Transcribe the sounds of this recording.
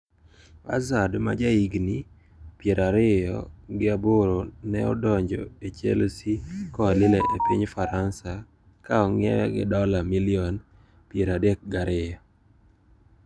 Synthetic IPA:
a̰zadma̰d͡ʒaiɡni | pjeɾaɾɪjɔ̰ɡɪaboɾonɛɔ̰dɔɲd͡ʒɔ̰et͡ʃḛlsikɔalɪlɛʔepiɲfaɾansa | kaɔŋɛ̰wɛ̰ɡɪ̰dɔlamilɪɔn | pjeɾadek̚ɡaɾɪjɔ

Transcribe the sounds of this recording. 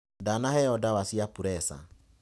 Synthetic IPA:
danahɛɔdawasiapuɾɛsa̰

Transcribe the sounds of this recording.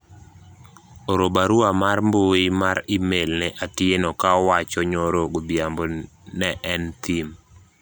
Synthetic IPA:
oɾobaɾuamarmboimaɾimelnɛʔatɪenokawat͡ʃɔɲoɾoɡobjambo | nɛʔɛnt̪im

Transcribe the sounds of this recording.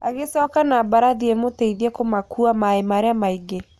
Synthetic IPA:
aɣesɔːkanabaɾaðiemotɛiðiɛkomakuamaemaɾeamaiɡe

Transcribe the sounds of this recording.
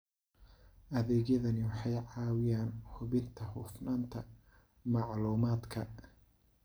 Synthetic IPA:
ʔɐðɛːɣjɐðɐnɪwɑħɑjʕɑːwɪjaːnhʊβɪnt̪ʰɐhʊfnaːnt̪ʰɐ | mɑʕluːmaːd̪kʰɐ

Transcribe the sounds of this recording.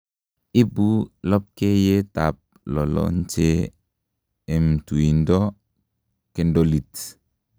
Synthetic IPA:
ibulɔp̚kejetap̚ | lɔlɔ̰nt͡ʃe | ɛmtuindɔ | kɛndolit

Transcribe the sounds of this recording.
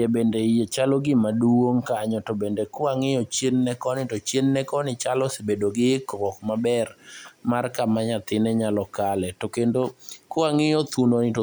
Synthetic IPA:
ebendejet͡ʃalɔɡɪmaduwoŋkaɲɔtobendekʊaŋɪjɔt͡ʃjenːɛkɔnɪtot͡ʃjenːɛkɔnɪt͡ʃalɔsebedoɡɪkɔkmabɛrmarkamaɲat̪ɪnɛɲalɔkalɛtokendokʊaŋɪjɔt̪unonɪto

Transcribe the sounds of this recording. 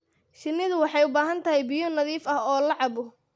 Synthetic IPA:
ʃɪnːɪðʊwɑħɑjʊbaːɦɐnt̪ʰɐɦɛjbɪjɔnɐðiːfɐhɔːlɑʕɑβʊ

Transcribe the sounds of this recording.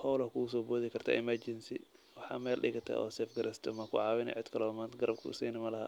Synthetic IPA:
hɔwlɐhkʰuɣʊs̬ɔːbɔːðɪkʰɐrt̪ʰa̰ːʔɪmɐrd͡ʒɪnsɪ̰ | wɑħɑ̰ːmɛːlɗɪɣɐt̪ʰɐ̰ʔɔ̰ːsɛːfɡɐɾʔɛst̪ʰɔmɐkʰʊʕɑːwɪnɛ̰ʕɪd̪kʰɐlɔːmaːnt̪ʰɡɐɾɐb̚kʰʊ̰siːnɪmɐlɐɦɐ̰ː

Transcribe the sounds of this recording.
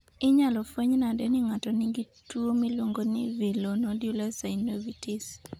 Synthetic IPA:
ɪɲalɔfoɲnadɛnɪŋatɔniɡi | tuomilwoŋɡonḭvilonɔdjulasainovitis

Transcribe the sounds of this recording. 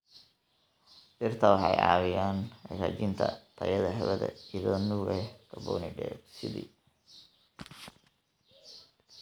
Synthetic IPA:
bɪrt̪ʰɐwɑħɑjɑ̰ːwɪjaːnɐɾa̰ːt͡ʃɪnt̪ʰɐt̪ʰɐjɐðɐɦɛβɐðɐ̰iðɔːnuːɣɛkʰɐbɔ̰ːnɪɖɛːɡsɪðḭ

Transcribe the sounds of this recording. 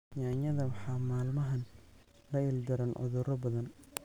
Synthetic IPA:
jaːɲɐðɐwɑħɑːmaːlmɐɦɐn | lɐɪld̪ɐɾɐnʕʊ̰ðʊɾɐbɐðɐn

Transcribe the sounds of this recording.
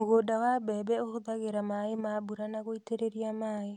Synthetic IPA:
oɣodawabɛbɛoɣoðaɣeɾamaemabuɾanaɣoiteɾeɾiamaːe

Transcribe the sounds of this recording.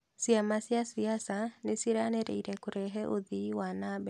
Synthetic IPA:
siamasjasiasanɪsiɾanɛɾḛiɾɛkoɾɛɦɛʔoðiwanabɛ

